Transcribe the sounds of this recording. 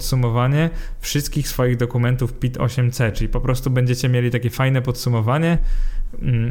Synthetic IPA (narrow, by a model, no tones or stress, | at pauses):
t̪sumɔvaɲɛfʂɘst̪̚kʲixsfɔjiɣd̪ɔkumɛnt̪ufpʲit̪ʰɔ̰ɕɛmt̪sɛt͡ʂɘlʲipɔpɾɔst̪ubɛɲd͡ʑet͡ɕɛmʲjelʲit̪akʲɛfajnɛpɔt̪sumɔvaɲɛ